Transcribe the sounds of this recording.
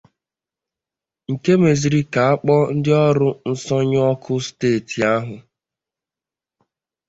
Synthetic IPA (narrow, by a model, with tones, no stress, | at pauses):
ŋ̩˨ke˦me˨zi˨ɾi˦ka˨a˦k͡pɔ˦n̩˦dɪ˦ɔ˦ɾʊ˦n̩˦sɔ˦ɲ˦ɔ˦kʰʊ˦steː˦˨ti˨a˦ɦʊ˨